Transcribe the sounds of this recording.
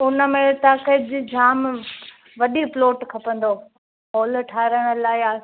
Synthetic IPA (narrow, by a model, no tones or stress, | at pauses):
ʊnə̆mẽt̪aːkəd͡ʑid͡ʑʱaːm | ʋɐɗiploːʈkʰɐpə̃nd̪oː | ɦoːlʈʰaːɾəɽ̃ə̆laːɪaː